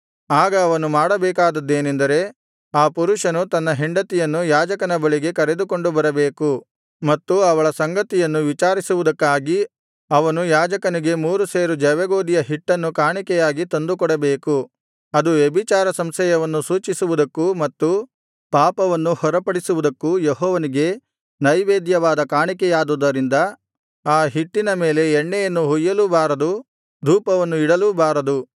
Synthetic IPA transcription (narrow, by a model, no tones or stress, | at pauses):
aːɡɐːʋɐnumaːɽɐbɛːkaːd̪ɐd̪ːe̞ːnend̪ɐɾe̞ | aːpuɾuʂɐnut̪ɐnːɐɦiɳɖɐt̪ijɐnːujaːd͡ʒɐkɐnɐbɐɭiɡe̞kɐɾe̞d̪ukoɳɖubɐɾɐbeːku | mɐt̪ːuɐʋɐɭɐsɐŋɡɐt̪ijɐnːuʋit͡ʃaːɾisuʋud̪ɐkːaːɡi | ɐʋɐnujaːd͡ʒɐkɐniɡe̞muːɾuseːɾud͡ʒɛʋɛɡoːd̪ijɐɦiʈːɐnːukaːɳikɛjaːɡit̪ond̪ukɔɽɐbeːku | ɐd̪uʋebit͡ʃaːɾɐsɐmsɛjɐʋɐnːusuːt͡ʃisuʋud̪ɐkːumɐt̪ːu | paːpɐʋɐnːuhɔɾɐpɐɽisuʋud̪ɐkːujeɦɔːʋɐniɡe̞ | nɐjʋeːd̪jɐʋaːd̪ɐkaːɳikɛjaːd̪ud̪ɐɾind̪ɐ | aːɦiʈːinɐme̞ːle̞ːɳːɛjɐnːuɦujːɐlubaːɾɐd̪u | d̪ʱuːpɐʋɐnːuiɽɐlubaːɾɐd̪u